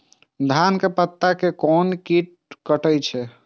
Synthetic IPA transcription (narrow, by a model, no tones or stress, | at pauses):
d̪ʱankepət̪ːakekɔnkiʈ̚ | kəʈəjt͡ʃʰɛ